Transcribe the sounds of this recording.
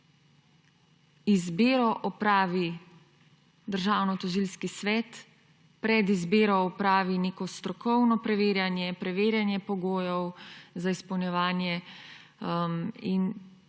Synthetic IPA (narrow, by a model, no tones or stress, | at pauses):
izbeːɾɔʔɔpɾaːʋi | d̪əɾʒaːwnɔt̪ɔʒilskisʋɛːt̪ | pɾɛd̪izbeːɾɔːpɾaːʋineːkɔst̪ɾɔkɔwnɔpɾɛʋeːɾjanjɛpɾɛʋeːɾjanjɛpɔɡoːjɔwzaispɔwnjɛʋaːnjɛ | in